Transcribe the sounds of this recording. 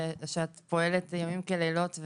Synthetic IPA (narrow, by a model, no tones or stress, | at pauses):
ʃeat̪po̞elet̪jamimkelelo̞tv